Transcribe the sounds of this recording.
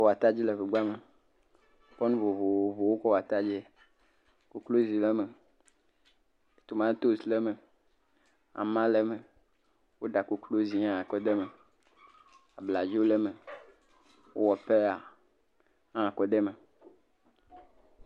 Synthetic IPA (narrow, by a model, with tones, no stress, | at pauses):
ɔ˦wa˨t̪a˦d͡ʑi˦lɛ˨ve˨ɡ͡ba˦me˨ | k͡pɔ˦nũ˦vo˨vo˨wo˨vo˨wo˦kɔ˦wa˨t̪a˦d͡ʒɛ˦ | ko˨klo˦zi˨lɛ˦me˨ | t̪o˨mã˦t̪o˦sle˦mẽ˨ | a̰˨mã˦lɛ˦mẽ˨ | wo˦ɖa˨ko˨klo˦zi˨˦ã˨kɔ˦d̪ɛ˦mẽ˨ | a˨bla˨d͡ʒi˦wo˦lɛ˦mẽ˨ | wo̰˦wɔ˨pe˦a˨ | ã˦˨kɔ˦d̪ɛ˦mẽ˨